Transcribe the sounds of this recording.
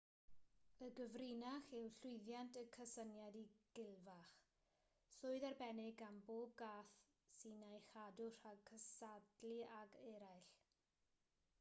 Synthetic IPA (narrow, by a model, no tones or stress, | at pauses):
əɡəvrɪnaχɪwɬʊɨðjantʰəkʰəsənjadiɡ̥ɪlˠvaχ | sʊːɨðarbɛnɪɡanboːb̚ɡaːθ | sinajχadʊr̥akʰəsadliaɡɛɾajɬ